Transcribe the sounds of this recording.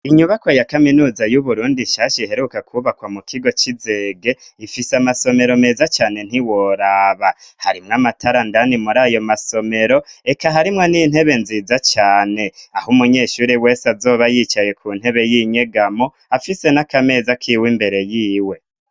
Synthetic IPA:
iɲuβako̞jakaminuːzajuβuɾuːndiʃaʃeɦe̞ɾukakʰuβakwamukʰiɡo̞t͡ʃize̞ːɡe̞ifisamaso̞me̞ɾo̞me̞ːzat͡ʃaːne̞n̥iwo̞ɾaːβahaɾimŋamatʰaɾandanimuɾaːjo̞maso̞me̞ɾo̞e̞kaɦaɾimŋe̞nin̥he̞βe̞nziːzat͡ʃaːne̞ahumuɲe̞ːʃuːɾiwe̞ːsazo̞ːβajit͡ʃaje̞kʰun̥he̞βe̞jiːɲe̞ɡamo̞ | afise̞nakame̞ːzakʰiwimbe̞ɾe̞jiːwe̞

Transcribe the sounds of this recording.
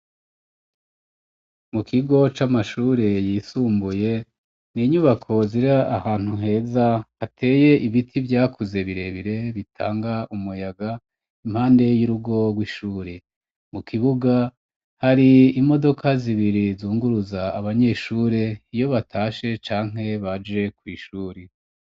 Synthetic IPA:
mukiɡo̞t͡ʃamaʃuːɾe̞jiːsuːmbuje̞ | niɲuβakʰo̞ziɾaʔahaːn̥huŋhe̞ːzahatʰe̞ːje̞ʔiβitʰivjaːkʰuze̞βiɾe̞βiɾe̞βitʰa̰ːŋɡaumujaɡa | im̥haːnde̞juɾuɡo̞ɡwiʃuːɾe̞ | mukiβuɡa | haɾiimo̞do̞kʰaziβiɾizuːŋɡuɾuzaːβaɲe̞ːʃuːɾe̞ijo̞βatʰaːʃe̞t͡ʃaːŋ̥e̞βad͡ʒe̞kwiːʃuːɾe

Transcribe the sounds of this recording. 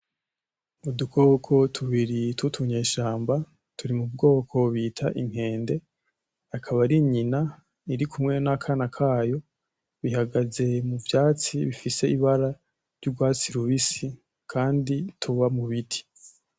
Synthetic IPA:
mudukʰokʰo̞tʰuβiɾitutʰuɲe̞ːʃaːmba | tuɾimub̚ɡo̞ːkʰo̞βiːtʰaʔiŋ̥e̞ːnde̞ | akʰaβaɾiɲina | iɾikʰumŋe̞nakʰanakʰaːjo̞ | βihaɡaze̞muvjaːt͡siβifise̞iβaɾa | ɾjuɡwaːt͡siɾuβisi | kʰaːnditʰuβamuβitʰi̥

